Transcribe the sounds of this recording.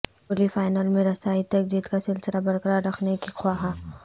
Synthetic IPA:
olifaːɪnəlmẽɾɐsaːit̪ɐk̚d͡ʒiːt̪kasɪlsəɾabɐɾkəɾaɾɐkʰnekixwaːɦaː

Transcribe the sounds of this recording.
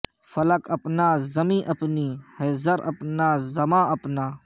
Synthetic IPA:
fɐlɐkɐpnaːzɐmĩːʔɐpniːheːzɐɾɐ̰pnaːzɐmãːɐpnaː

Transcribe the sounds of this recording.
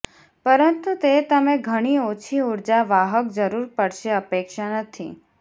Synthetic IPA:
pəɾənt̪ut̪et̪əmẽɡʱəɽ̃iot͡ʃʰiuɾd͡ʒaʋaɦək̚d͡ʒəɾuɾpəɽʃeəpekʃanət̪ʰḭ

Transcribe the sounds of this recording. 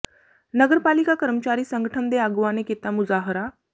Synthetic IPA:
nəɡəɾpalikakəɾmət͡ɕaɾiːsəŋɡəʈʰəmd̪eaɡʋaneket̪amud͡zaɦəɾa

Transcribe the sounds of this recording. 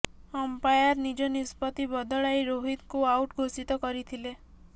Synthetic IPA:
ɔmpajaɾnid͡ʒɔnispɔt̪ibɔd̪ɔɭajɾoɦid̪kuawʈɡʱosit̪ɔkɔɾit̪ʰile

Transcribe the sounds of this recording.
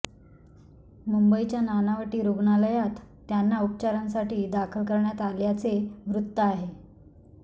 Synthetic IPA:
mumbəit͡ɕjananaʋəʈiːɾuɡɳaləjat̪ː | janːaup̚t͡ɕaɾansaʈiːd̪akʰəlkəɾɳjat̪aljat͡seʋɾut̪ːəaɦe

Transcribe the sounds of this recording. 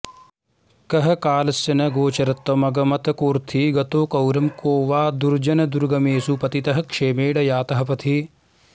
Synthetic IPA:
kɐɦɐkaːlɐsjɐnɐɡoːt͡ʃɐɾɐt̪ːɐmɐɡɐmɐt̪ɐkuːɾt̪ʰiɡɐt̪oːkɐwɾɐmkoːʋaːd̪uɾd͡ʒɐnɐd̪uɾɡɐmeːsupɐt̪it̪ɐɦɐ̆kʂeːmeːɽɐjaːt̪ɐɦɐ̆pɐt̪ʰi

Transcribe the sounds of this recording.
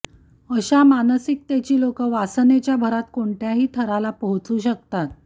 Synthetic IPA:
əɕamansik̚t̪jat͡ɕiːlokəʋasnet͡ɕjabʱəɾat̪̚koɳʈjaɦiːt̪ʰəɾalapəɦt͡suːɕək̚t̪at̪̚

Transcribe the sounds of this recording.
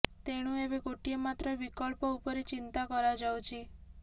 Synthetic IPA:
t̪eɽ̃ũebeɡoʈiemat̪ɾɔbikɔlpɔupɔɾet͡ʃint̪akɔɾad͡ʒawt͡ʃʰi

